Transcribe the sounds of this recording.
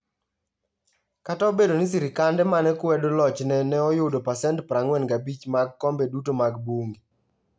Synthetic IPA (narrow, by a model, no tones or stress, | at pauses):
kataobedonɪs̬iɾikandɛmanɛkwɛdolɔt͡ʃnɛnɛɔjodopasɛntpɾaŋwɛnɡabit͡ʃmaɡkɔmbɛdutomaɡboŋɡi